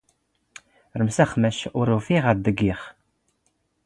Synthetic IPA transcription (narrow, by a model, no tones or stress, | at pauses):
ɾəmsæχmæʃʊɾufiʁaðd̪əɡːiχ